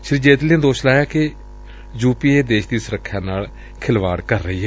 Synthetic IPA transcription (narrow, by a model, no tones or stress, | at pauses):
ʃɪɾid͡ʒeːt̪lẽːd̪oːʃlaːjaːke | d͡ʒuːpiːeːd̪eːʃd̪iːsʊɾəkʰːjãːnaːl | kʰɪlʋaːɽkəɾːəɦiːɦɛː